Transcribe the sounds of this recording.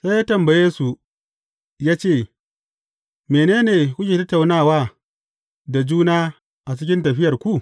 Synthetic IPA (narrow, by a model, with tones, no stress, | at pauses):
sa˦jaː˦tɐ˨mbɐ˨jeː˦su˨ | jaː˦t͡ʃeː˦˨ | meː˨neː˦neː˨kʷʊ˦d͡ʒi˨tɐ˦tːa˨wnaː˦˨waː˦ | da˨d͡ʒuː˦naː˦ | ʔa˨t͡ʃɪ˦kʲɪ˦ntɐ˨ɸɪ˦jɐ˨rkʷu˦˨ʔ